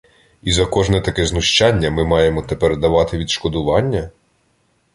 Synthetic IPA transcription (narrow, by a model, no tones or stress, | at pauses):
izɐkɔʒnɛt̪ɐkɛznʊʃt͡ʃɑnʲːɐmɪmɑjemɔt̪epɛrd̪ɐʋɑt̪ɪʋʲid̪ʃkɔd̪ʊʋɑnʲːɐ